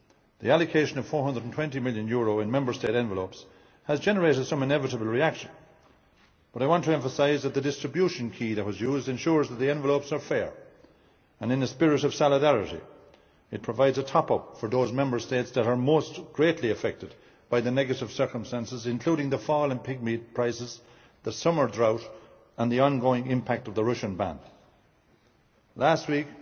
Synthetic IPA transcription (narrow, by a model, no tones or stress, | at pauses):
ðḭælɨkʰeɪʃɨ̃nʌv̥fɔɹhʌ̃ndɹədn̩tʰw̥ɛ̃ntimɪljɨ̃njʊɹoɨ̃nmɛ̃mbə˞steɪɾɛ̃ɱvəloʊps | həzd͡ʒɛnə˞eɪɾɨd̥sʌ̃mɨ̃nɛvɨɾəbəl̩ˠɹiækʃə̃n | b̥ʌɾaɪwɑ̃ntʰəɛ̃ɱfəsaɪzðət̪̚ðədɪstɹ̥ɨbjuʃɨ̃nkʰiðɨt̚wʌzjuːzdɨ̃nʃʊɹzðət̪̚ðiɛ̃ɱvəloʊpsə˞fɛɹ | ə̃nɨ̃nɨspɪɹɨɾʌv̥sɑlˠədæɹɨɾḭ | ɨt̚pʰɹ̥əvaɪdzətʰɑpʌpfə˞ðozmɛ̃mbə˞stetsðəɾə˞moːsɡ̥ɹetʰˡliɨfɛk̚tɨd̚ | b̥aɪðɨnɛɡɨɾɨv̥sɜ˞kə̃mstæ̃nsɨzɨ̃nkʰl̥uɾɪ̃ŋðəfɔlˠə̃npʰɪɡ̚mit̚pʰɹ̥aɪsɨz | ðəsʌmə˞dɹaʊɾ | ə̃nðiɑ̃nɡoɪ̃ŋɪ̃mpʰæk̚tʌvðəɹʌʃɨ̃nbæ̰̃n | læst̚wik